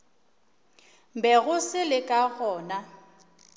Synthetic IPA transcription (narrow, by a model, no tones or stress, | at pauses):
m̩bɛɣʊsɪlɪkʼaɣɔːna